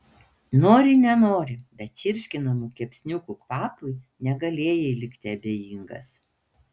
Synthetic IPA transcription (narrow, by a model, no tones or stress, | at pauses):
noːɾʲɪnʲɛnoːɾʲɪbʲɛt̪t͡ʃʲɪɾʲʃʲkʲɪnɐmuːkʲɛpʲsʲnʲʊkukʋɑːpʊɪ | nʲɛɡɐlʲeːjɛɪlʲɪkʲt̪ʲɪɐbʲeːjɪŋɡɐ̰s